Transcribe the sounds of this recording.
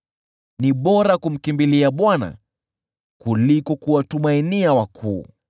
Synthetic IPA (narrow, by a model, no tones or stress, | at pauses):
niɓɔɾakum̩kimbiliaɓwana̰ | kulikɔkuwatumainiawakʰuː